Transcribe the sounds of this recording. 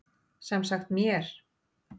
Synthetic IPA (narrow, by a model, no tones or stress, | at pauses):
sɛmsaxt̪mjɛɾ̥